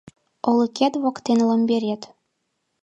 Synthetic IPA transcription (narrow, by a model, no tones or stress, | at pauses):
ɤ̆lˠɤ̆kʲæt̪wɑkt̪ːenlˠɤ̆mbʲeɾʲet̪